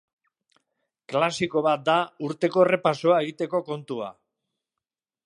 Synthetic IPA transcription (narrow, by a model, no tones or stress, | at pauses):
klasiko̞βat̪̚d̪auɾt̪e̞ko̞ere̞paso̞ae̞ɣ̞it̪e̞ko̞ko̞nt̪ua̰